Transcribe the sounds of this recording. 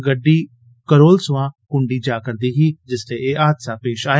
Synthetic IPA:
ɡəɖːiː | kəɾoːlsʊʋãːkʊɳɖiːd͡ʒaːkəɾd̪iːɦiːd͡ʒɪst̪eːeːʔaːd̪saːpeːʃaː

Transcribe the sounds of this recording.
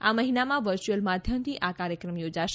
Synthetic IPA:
aməɦinamãʋəɾt͡ʃuəlmad̪ʱjəmt̪ʰiʔakaɾjəkɾəmjod͡ʒaʃ

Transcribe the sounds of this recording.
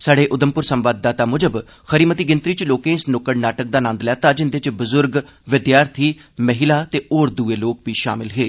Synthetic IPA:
saːɖeːʔʊd̪əmpʊɾsəmʋaːd̪̚ːaːt̪aːmʊd͡ʒəb | xəɾiːmət̪iːɡɪnt̪ɾiːt͡ʃloːkẽːɪsnoːkəɽnaːʈək̚d̪aːnãːnd̪lɛaːt̪ãːd͡ʒɪnd̪et͡ʃbʊzʊɾɡʋɪd̪jaːɾt̪ʰiːməɦɪlaːt̪eːoːɾd̪uːeːloːk̚ʋiːʃa̰ːmɪlɦeː

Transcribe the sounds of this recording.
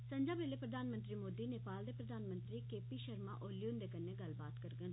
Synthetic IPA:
səɲd͡ʒaːbʋeleːpɾəd̪ʱaːnmənt̪ɾiːmoːd̪iːneːpaːld̪eːpɾəd̪ʱaːnmə̃nt̪ɾiːkeːpiːʃəɾma̰ːʔoːlijuːnd̪eːkəneːɡəlbaːt̪kəɾɡən

